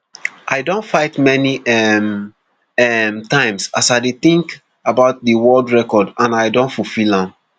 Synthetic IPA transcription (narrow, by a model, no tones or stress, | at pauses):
ʔaɪdõntfaɪtmɛniɛm | ɛmtãɪ̃msasaɪdeθĩŋk | abaʊt̚dəwɜldɹɛkɔdãnaɪdõntfufilãm